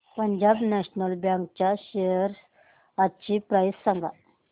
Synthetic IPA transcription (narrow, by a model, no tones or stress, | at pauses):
pəɲd͡ʑabnɛɕnəlbjãŋk̚t͡ɕaɕejəɾ | at͡ɕipɾajsːəŋɡʱa̰